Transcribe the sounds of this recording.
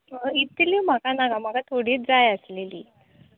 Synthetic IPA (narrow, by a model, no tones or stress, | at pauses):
əit̪lim̤akanaɡam̤aɡat̪ʰoɽ̤iːd͡zajəsleliː